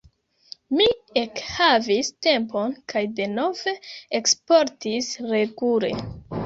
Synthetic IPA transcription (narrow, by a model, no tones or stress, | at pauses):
miekhaviste̞mpo̞nkʰajde̞no̞ve̞ekspo̞ɾtisɾe̞ɡule̞̰